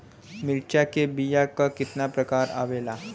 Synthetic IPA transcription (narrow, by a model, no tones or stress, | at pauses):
miɭt͡ɕakebijakakit̪napɾəkaɾa̰ʋela